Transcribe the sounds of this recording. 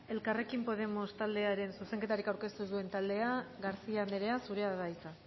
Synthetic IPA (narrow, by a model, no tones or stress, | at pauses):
e̞lkare̞kimpo̞ð̞e̞mo̞st̪ald̪e̞aɾe̞nsuse̞ŋke̞t̪aɾikawɾke̞st̪usue̞nt̪ald̪e̞aɣaɾsiane̞ɾe̞asuɾe̞aðajt͡sa